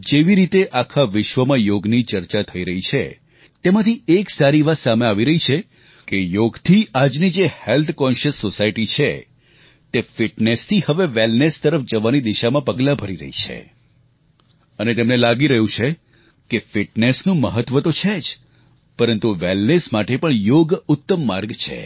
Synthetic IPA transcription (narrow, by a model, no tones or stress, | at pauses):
d͡ʒeʋiɾit̪eʔakʰaʋɪʃʋəmãjoɡnit͡ʃəɾt͡ʃat̪ʰəiɾəɦit͡ʃʰḛ | t̪emãt̪ʰieksaɾiʋat̪sameaʋiɾəɦit͡ʃʰe | kejoɡt̪ʰiad͡ʒnid͡ʒehelt̪ʰkɔnʃəsːosaiʈit͡ʃʰe | t̪efɪʈnest̪ʰihəʋeʋelnest̪əɾəfd͡ʒəʋanid̪iʃamãpəɡlabʱəɾiɾə̰ɦḭt͡ʃʰḛ | ənet̪emnelaɡiɾəɦjũt͡ʃʰe | kefɪʈnesnũməɦət̪ʋət̪ot͡ʃʰed͡ʒ | pəɾənt̪uʋelnesmaʈepəɳjoɡʊt̪ːəmːaɾɡt͡ʃʰḛ